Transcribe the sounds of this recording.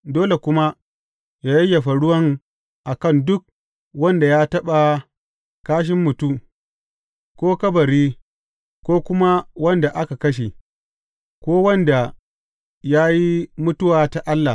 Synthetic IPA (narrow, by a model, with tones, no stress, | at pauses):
doː˦le˨kʷʊ˦ma˦ | jaː˦jɐ˦ja˨ɸa˨ɽʊ˦wɐ˦ŋ | ʔa˨kɐ˦˨ndʊ˦k̚ | wɐ˦nda˨jaː˦tɐ˦ɓa˨ | kaː˦ʃ̬ɪ˦mːʊ˨tu˦ | kʷoː˦kɐ˦bɐ˨ɾiː˦ | kʷoː˦kʷʊ˦ma˦wɐ˦nda˨ʔa˦ka˨kɐ˦ʃ̬e˨ | kʷoː˦wɐ˦nda˨ | jaː˦ji˦mʊ˦tʊ˦waː˨ta˨ʔa˦lːa˨